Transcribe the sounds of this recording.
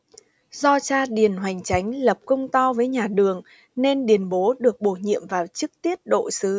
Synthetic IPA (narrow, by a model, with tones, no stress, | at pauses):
zɔ˧t͡ɕaː˧ɗi˨˩ənɦwa˨˩jŋ̟t͡ɕa˨˦jŋ̟lə˨˩p̚kə˧wŋ͡mt̪ɔ˧wvəː˨˦jɲaː˨˩ɗɨ˨˩əŋ | ne˧nɗi˨˩ənɓo˨˦ɗɨ˨˩ək̚ɓo˧˩ɲḭ˧˨əmvaː˨˩wt͡ɕɨ˦˥k̚t̪i˦˥əp̚ɗo̰˧˨sɨ˨˦